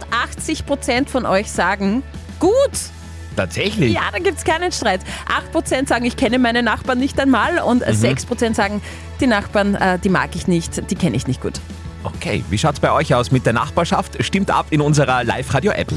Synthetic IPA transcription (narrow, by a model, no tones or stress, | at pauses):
ʔaxt͡sɪçpʁ̥ot͡sɛntfɔnʔɔʏçsaːɡŋ̩ | ɡ̥uːt | tʰaːtz̥ɛçlɪjaːd̥aːɡiːp̚tskaɪnənʃtʁ̥aɪtʔaxt̚pʁ̥ot͡sɛntz̥aːɡŋ̩ɪçkʰɛnəmaɪnənaχb̥aːɐnːɪçtaɪnmaːlʊntz̥ɛkspʁ̥ot͡sɛntz̥aːɡŋ̩ | d̥iːnaχb̥aːɐnʔɛːd̥iːma̰ːkɪçnɪçtd̥iːkʰɛnəɪçnɪçt̚ɡ̥ṵːt | ʔokʰeːviːʃaʊtsb̥aɪʔɔʏçaʊsmɪt̚d̥eːɐna̰χb̥aːɐʃaftʃtɪmtʔa̰pɪnʊnzəʁɐla̰ɪfʁaːdjoʔɛ̰p